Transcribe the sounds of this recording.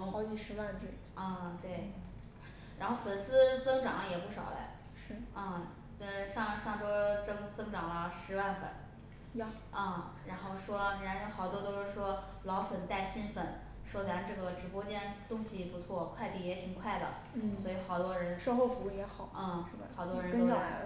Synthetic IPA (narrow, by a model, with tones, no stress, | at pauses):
ɑ˧˥ʊt͡ɕi˨˩ʂɻ̩˧˥a˥˩nʈ͡ʂɻ̩˥˩ | ə˥˧t̪we˥˩ɪ | ɻa˧˥nxo˥˩ʊfə˨˩nsɹ̩˥t͡sɤ˥ŋʈ͡ʂɑ˨˩˦ŋ˧jɛ˨˩pu˥˩ʂɑ̰˨˩ʊla̰˧˥ | ʂɻ̩˥˩ə˥˩ | t͡ɕo˥˧ʂɻ̩˥˧ʂɑ˥˧ŋʂɑ˥˩ŋʈ͡ʂo˥ʊt͡sɤ˥ŋt͡sɤ˥ŋʈ͡ʂɑ˨˩ŋlə˦ʂɻ̩˧˥wa˥˧nfə̰˨˩˦n˥˩ | ə˥˧˩ɻa˧˥nxo˥˩ʊʂwɔ˥˧ɻa˧˥n˥˩xɑ˨˩ʊt̪wɔ˥t̪o˥ʊʂɻ̩˥˩ʂwɔ˥ | lɑ˧˥ʊfə˨˩nt̪a˥˩ɪɕi˥nfə˨˩˦n | ʂwɔ˥t͡sa˧˥nʈ͡ʂɤ˥˩ɡə˩ʈ͡ʂɻ̩˧˥pwɔ˥t͡ɕjɛ˥nt̪ʊ˥ŋɕi˨ɛ˨˩pu˧˥t͡sʰwɔ˥˩kʰwa˥˧ɪt̪i˥˩jɛ˧˥t̪ʰi˨˩ŋkʰwa˥˩ɪd̪ə̰˩˥˩ | swɔ˧˥i˨˧˩xɑ˨˩ʊt̪wɔ˥ɻə˧˥nʂɑ˥xo˥˧ʊfu˧˥˩jɛ˧˥xɑ˨˩˦xɑ˨˩ʊt̪wɔ˥ɻə˧˥n˥o˥